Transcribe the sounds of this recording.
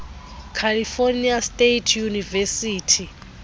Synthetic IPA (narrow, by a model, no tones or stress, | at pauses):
kʰaliforniastʼetʰjunivɛsiːtʰi